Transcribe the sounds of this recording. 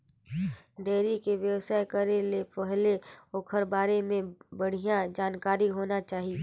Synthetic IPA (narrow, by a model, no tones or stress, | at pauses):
ɖeːɾikeʋjɐwsaːekɐɾelepɛɦleoːkʰəɾbaːɾemẽbɐɽ̤ijãd͡ʒaːnkaːɾiɦoːnat͡ʃaːɦie